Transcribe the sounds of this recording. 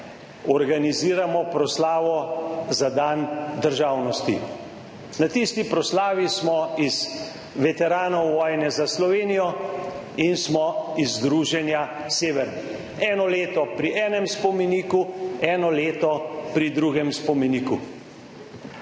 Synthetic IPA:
ɔɾɡaniziːɾamɔpɾɔslaːʋɔzad̪and̪əɾʒaːwnɔst̪ḭ | nat̪ist̪ipɾɔslaːʋismɔiz̥ | ʋɛt̪ɛɾaːnɔwʋɔːjnɛzaslɔʋeːnijɔ | insmɔizd̪ɾuːʒɛnja | seːʋɛɾ | ɛːnɔleːt̪ɔpɾiʔɛːnɛmspɔmɛniːkuɛːnɔleːt̪ɔpɾid̪ɾuɡɛmspɔmɛniːku

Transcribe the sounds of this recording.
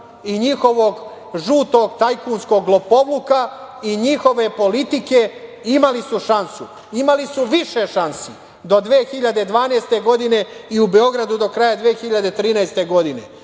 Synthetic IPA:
iɲixo̞ʋo̞ɡ | ʒuːt̪o̞ɡt̪ajkuːnsko̞ɡlopo̞ʋluka | iɲixo̞ʋe̞po̞lit̪ike̞ | imalisuʃansu | imalisuʋiʃe̞ʃansi | d̪o̞d̪ʋeːxiʎad̪ed̪ʋaːneːst̪e̞ɡo̞d̪ine̞iube̞o̞ɡɾad̪ud̪o̞kɾajad̪ʋeːxiʎad̪e̞t̪ɾiːnajst̪e̞ɡo̞d̪ine̞̰

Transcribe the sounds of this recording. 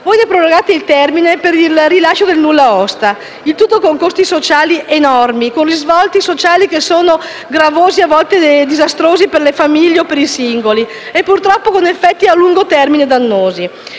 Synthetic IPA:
vojnepɾoloɡaːt̪eilt̪ɛrminepeɾilrilaʃːod̪elnulːaɔst̪a | ilt̪ut̪ːokoŋkost̪isot͡ʃaːliʔenɔrmikonrizvɔlt̪isot͡ʃaːlikesːoːno | ɡɾavoːziavːɔlt̪ed̪izast̪ɾoːziperlefamiʎːeopːeɾisiŋɡoli | epːurt̪ɾɔpːokonefːɛt̪ːialːuŋɡot̪ɛrmined̪anːoːzi

